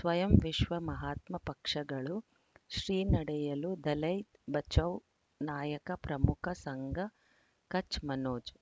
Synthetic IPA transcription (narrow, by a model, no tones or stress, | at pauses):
sʋɐjɐmʋiʃʋɐmɐɦaːt̪mɐpɐkʂɐɡɐɭu | ʃɾiːnɐɽɛjɐlud̪ɐlɐjt̪bɐt͡ʃɐw | naːjɐkɐpɾɐmukʰɐsɐŋɡʱɐ | kɐt͡ʃmɐnoːd͡ʒ